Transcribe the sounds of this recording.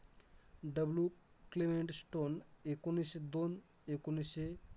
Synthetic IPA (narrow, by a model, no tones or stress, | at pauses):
ɖəblju | klimeɳʈsʈonekunised̪on | ekunise